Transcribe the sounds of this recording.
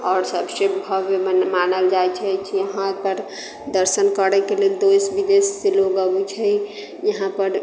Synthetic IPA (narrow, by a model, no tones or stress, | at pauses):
ɔːɾsəbsebʱəbemanəld͡ʒajt͡ʃʰɛt͡ʃʰijəɦãpəɾ | d̪əɾsənkəɾɛkeleld̪ojsbid̪esːeloɡəbut͡ʃʰɛ | jəɦãpəɾ